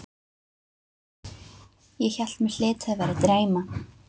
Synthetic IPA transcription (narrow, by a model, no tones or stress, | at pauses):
jɛçɛl̥t̪mɪ̥l̥ɪːt̪ɛvaɾat̪ɾeːjma